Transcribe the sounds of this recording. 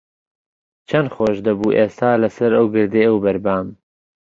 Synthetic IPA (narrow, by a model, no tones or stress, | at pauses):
t͡ʃʰɐnχoːʃd̪ɐbuːʔeːst̪ʰaːlɐsɐɾɐwɡɨɾd̪eɐwbɐɾbaːm